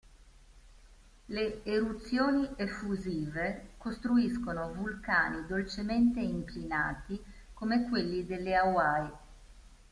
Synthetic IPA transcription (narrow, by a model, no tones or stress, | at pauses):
leːɾut̪sːjoːniʔefːuziːvekost̪ɾuiskonovulka̰ːnid̪olt͡ʃement̪eiŋklina̰ːt̪ikomekwelːid̪elːeawaj